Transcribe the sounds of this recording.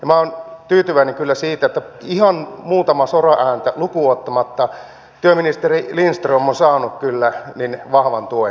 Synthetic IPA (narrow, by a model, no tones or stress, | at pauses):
jɑmæont̪yːt̪yʋæineŋkylːæsiːt̪æet̪ːæihɑnmuːt̪ɑmɑsorɑʔæːnt̪ælukuot̪ːɑmɑt̪ːɑ | t̪yøminist̪erilinst̪romːonsɑːnukkylːæninʋɑhʋɑnt̪uoe